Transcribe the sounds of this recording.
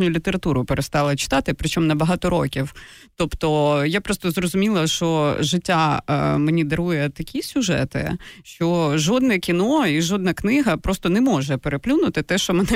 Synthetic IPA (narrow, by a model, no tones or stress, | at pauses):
nʲʊʊlʲit̪eɾɐt̪uɾʊpeɾest̪ɑlˠɐt͡ʃɪ̥t̪ɑt̪ɪpɾɪt͡ʃɔmnɐbɐɦɑt̪ɔɾo̰kʲiw | t̪ɔpt̪ɔjapɾɔst̪ɔzrɔzʊmʲilˠɐʃt͡ʃɔʒɪtʲːamenʲid̪ɐɾujɛt̪ɐkʲisʲʊʒɛ̰t̪ɪ̰ʃt͡ʃɔʒɔd̪̚nɛkʲinɔiʒɔd̪̚nɐknɪɦɐpɾɔst̪ɔnɛmɔʒɛpeɾeplʲunʊt̪ɪt̪ɛʃt͡ʃɔmɛnɛ